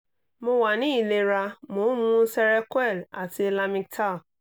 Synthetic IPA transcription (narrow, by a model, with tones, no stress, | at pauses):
mʊ̃˦wa˨nĩ˦i˨le˨ɾa˦mʊ̃˨˦mũ˦sɛ˦ɾɛ˦kʷɛ˦˨la˨te˦la˦mɪ̃˦k̚tʰa˦˨